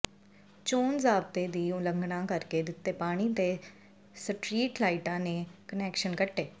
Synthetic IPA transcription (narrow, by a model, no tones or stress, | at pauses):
t͡ʃoːnzaːb̚t̪eːd̪iːuləŋɡɽãːkəɾkeːd̪ɪt̪ːeːpaːɽ̃iːt̪eː | səʈɾiːʈlaːiʈãːneːkənɛːkʃənkəʈːeː